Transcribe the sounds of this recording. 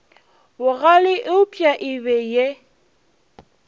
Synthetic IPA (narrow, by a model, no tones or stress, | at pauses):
wʊɣalɪʔɪʊpʼjaʔɪbɛje